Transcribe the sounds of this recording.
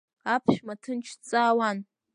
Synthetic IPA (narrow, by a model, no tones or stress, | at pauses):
apʰʃmatʰɨnt͡ʃʰt͡sʼaːwan